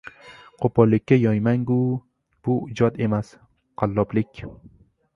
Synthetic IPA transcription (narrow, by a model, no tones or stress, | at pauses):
qʰopɒlːɪkʲːajɒjmaŋɡu | b̥ʊɪd͡ʒɒd̪e̞mas | qʰalːɒblɪkʲ